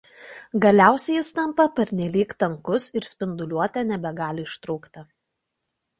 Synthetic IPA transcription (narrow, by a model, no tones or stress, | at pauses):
ɡɐlʲæˑʊsʲɛjɪst̪ɐmpɐpʲɐɾʲnʲɛlʲiːkt̪ɐŋkʊsɪɾsʲpʲɪnd̪ʊlʲuɔt̪ʲɛːnʲɛbʲɛɡɑːlʲɪɪʃt̪ɾʊːkt̪ɐ